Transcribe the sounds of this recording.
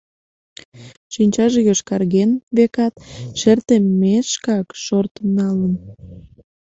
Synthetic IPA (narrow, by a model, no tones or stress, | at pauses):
ʃinʲt͡ɕɑʒejøʃkɑrɣenβekɑt̪ʃert̪emːeʃkɑkʃort̪nɑlən